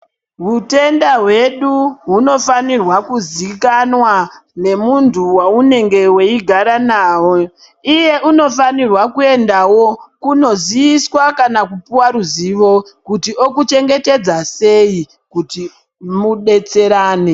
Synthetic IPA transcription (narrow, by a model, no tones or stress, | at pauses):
ɦute̞ndaɦwe̞ɗuɦuno̞fanirwakuzikanwane̞muntʰuwaune̞ŋɡe̞we̞iɡʱaɾanaːwo | ije̞ʔuno̞fanirwakue̞ndawo̞kuno̞ziiswakanakupuwaɾuziʋo̞kutio̞kut͡ʃe̞ŋɡe̞te̞d͡zase̞i | kuti | muɗe̞t͡se̞ɾaːne